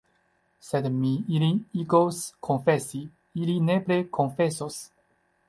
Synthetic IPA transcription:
sedmiiliiɡoskʰonfesi | iline̞pɾekʰonfesos

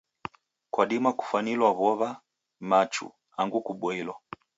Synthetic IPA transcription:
kwaɗimaku̥fanilwaβɔβa | mat͡ʃṵ | aŋɡukuɓɔilwa

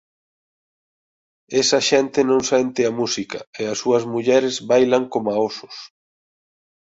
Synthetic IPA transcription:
ɛsɐʃɛnt̪ɪnõŋsɛnt̪ɪɐmusikɐeɐsːuɐzmuʎɛɾezβajlaŋkomaosʊ̥s

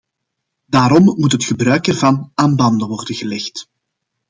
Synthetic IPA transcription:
daːɾɔmmutɦətxəbrœɥk̚dɛrvɑnaːnbɑndəʋɔrdəɣəlɛxt

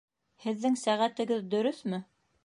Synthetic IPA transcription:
hɘ̆ðːɘŋsæʁæt̪ɘ̆ɡɘðd̪ɵ̆ɾɵθmɘ

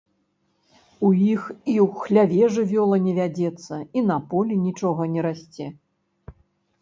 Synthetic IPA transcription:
ujixiwxlʲavʲɛʐɨvʲɔlˠɐnʲɛvʲad͡zʲɛt̪sːɐinɐpɔlʲinʲit͡ʂɔɣɐnʲɛɾasʲt͡sʲɛ

